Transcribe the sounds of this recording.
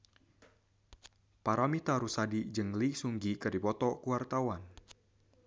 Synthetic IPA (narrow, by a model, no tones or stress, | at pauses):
paɾamit̪aɾusadid͡ʒəŋlisuŋɡikɨrdipɔt̪ɔkuwart̪awan